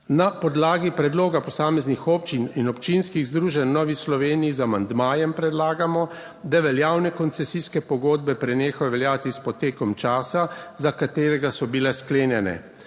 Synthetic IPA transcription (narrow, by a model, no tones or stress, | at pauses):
napɔd̪laːɡipɾɛd̪loːɡapɔsaːmɛznixɔp̚t͡ʃininɔpt͡ʃinskiɣzd̪ɾuːʒɛnːɔːʋislɔʋeːnijizamand̪maːjɛmpɾɛd̪laːɡamɔ | d̪aʋɛljaːwnɛkɔnt̪sɛsiskɛpɔɡoːd̪̚bɛpɾɛneːxajɔʋɛljaːt̪ispɔt̪eːkɔmt͡ʃaːsazakat̪eːɾɛɡasɔbilɛskleːnjɛnɛ̰